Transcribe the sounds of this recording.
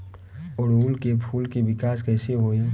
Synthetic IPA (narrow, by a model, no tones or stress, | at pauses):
ɔɾɦuːlkepʰuːlkeʋɪkaːskɛːseɦoːe